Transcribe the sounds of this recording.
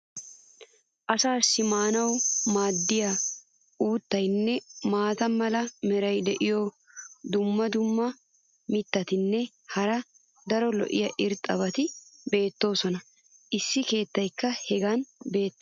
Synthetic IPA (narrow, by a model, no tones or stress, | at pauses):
ʔɐsaːsːɪmaːnɐwmaːd̪ːɪja | uːt̪ːɐjnːɛmaːt̪ɐmɐlɐmɛɾɐjd̪ɛʔɪjo | d̪ʊmːɐd̪ʊmːɐ | mɪt̪ːɐt̪ɪnːɛ | hɐɾɐ | d̪ɐɾɔlɔ̰ʔɪ̰jɐʔɪɾt̪ʼːɐβɐt̪ɪbe̞ːt̪ːo̞ːsɔnɐ | ʔɪsːɪke̞ːt̪ːɐjkːɐhɛɡɐnbe̞ːt̪ː